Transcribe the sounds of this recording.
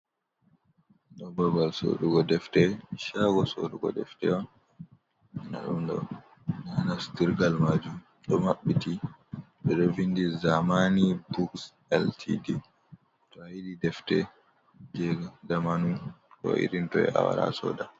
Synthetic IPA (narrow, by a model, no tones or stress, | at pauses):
ɗɔbɔbalso̰ɗuɡɔdɛftɛʃaɡɔsoɗuɡɔ̰dɛ̰ftɛwa | ɛna̰ɗumdɔ̰ | nanastiɾɡalmad͡ʒum | ɗɔmaɓːitiɓɛɗɔvindizamanibuks | ɛltʰḭdi | tɔhiɗidɛftɛ | d͡ʒɛɡadamanutɔ̰ʔḭɾintɔɛ̰ʔa̰wa̰ɾa̰sɔ̰da